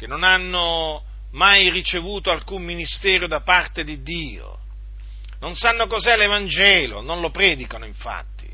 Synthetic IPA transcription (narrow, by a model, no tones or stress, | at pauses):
kenːonanːo | majrit͡ʃevuːt̪oalkumminist̪eːɾjod̪apart̪ed̪id̪ːiːo̰ | nõnsanːokɔzɛlevand͡ʒeːlo̰nõnlopɾeːd̪ikanoiɱfa̰t̪ːi̥̰